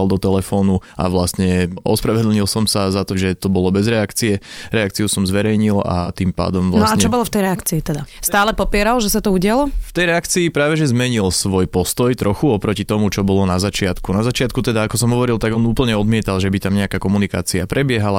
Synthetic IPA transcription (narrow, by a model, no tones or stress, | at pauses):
ald̪ɔt̪ɛlɛfɔːnuʔa̰ʋlast̪ɲɛɔ̰spɾaʋɛd̪l̩ɲilˠsɔmsazat̪ɔʒɛt̪ɔbɔlɔbɛzɾɛakt͡siɛɾɛak̚t͡siusɔmzʋɛɾɛjɲila̰t̪impa̰ːd̪ɔmʋlnaɔaɲt͡ʃɛɔbɔlɔft̪ɛjɾɛakt͡siːt̪ɛd̪ast̪aːlɛpɔpɪɛɾalʒɛsat̪ɔuɟɪalɔft̪ɛjɾɛakt͡siːpɾaːʋɛʒɛzmɛɲilsʋɔjpɔst̪ɔjt̪ɾɔxuɔpɾɔcit̪ɔmut͡ʃɔbɔlɔnazat͡ʃɪat̪kunazat͡ʃɪat̪̚kut̪ɛd̪aːkɔsɔmɦɔʋɔɾilt̪aɡɔnuːpl̩ɲɛɔd̪mɪɛt̪alʒɛbit̪amɲɛakaːkɔmunikaːt͡siapɾʔɛbɪɛɦala